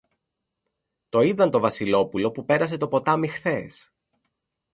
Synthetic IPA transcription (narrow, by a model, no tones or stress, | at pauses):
t̪o̞iðɐnt̪o̞vɐsilo̞pulo̞pupe̞ɾɐs̬e̞t̪o̞po̞t̪ɐmixθe̞s